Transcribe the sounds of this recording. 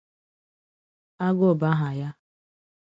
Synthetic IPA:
a˦ɡo˦˨ba˦ɦa˨ja˦

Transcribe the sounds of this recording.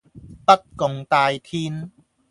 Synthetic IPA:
pɐ˥t̚kʊ˨˧ŋt̪aː˧jt̪ʰiː˧˥n

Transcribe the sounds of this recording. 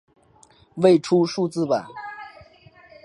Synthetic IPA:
we˥˧˩ɪʈ͡ʂʰu˥ʂu˥˧t͡sɹ̩˥˩pa˨˩˦n

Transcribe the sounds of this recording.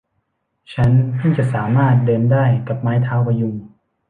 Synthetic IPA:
t͡ɕʰa˦˥nkʰɯ˥˩ŋt͡ɕa˨˩ʔsaː˩˦maː˥˩t̪̚dɤː˧ndaː˥˩jka˨˩p̚maː˦˥jt̪ʰaː˦˥wpa˧ju˧ŋ

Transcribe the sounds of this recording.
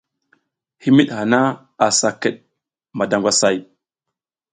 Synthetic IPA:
hi˦mi˦ɗha˨na˦ | a˨sa˨kə˨ɗ̚ | ma˨da˨ŋɡʷa˦sa˦˨j

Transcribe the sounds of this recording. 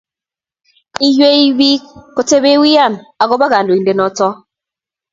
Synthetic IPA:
i˦jwe˦i˦bi˦kːo˨te˦be˦wi˦a˦˨na˨ɡɔ˦ba˦ɣa˨ndo˨i˨nde˨nɔ˨tɔ˦

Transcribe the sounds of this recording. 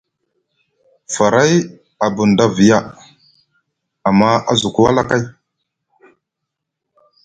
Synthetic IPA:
fa˨ɾa˦j | a˨bu˨nda˦vi˨ja˦ | a˨mːa˦a̰˦zu˨ku˦wa˦la˦ka˦j

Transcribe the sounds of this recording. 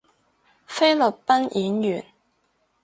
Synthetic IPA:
fe˥jlɵ˨˩t̚pɐ˥nʔiː˨˥njyː˨˩n

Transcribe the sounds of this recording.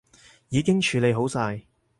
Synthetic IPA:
jiː˨˧kɪ˥ŋt͡ʃʰyː˨˧le˨˧jɦo˨˥wsaː˧j

